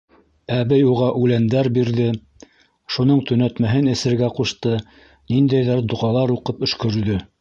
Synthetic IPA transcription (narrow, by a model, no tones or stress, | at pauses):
æβɘjuʁɑʔʉlænd̪æɾbiɾðɘ | ʃunɤɴt̪ɵ̆næt̪mæɦɘnɘ̆sɘ̆ɾɡæquʃt̪ɤ | nind̪æjðæɾd̪ŏʁɑlˠɑɾuqɤpɵ̆ʃkɵ̆ɾðɵ